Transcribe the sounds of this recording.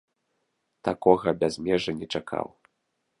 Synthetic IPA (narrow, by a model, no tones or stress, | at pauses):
t̪akɔɣɐbʲazʲmʲɛʐɐnʲɛt͡ʂakʰa̰w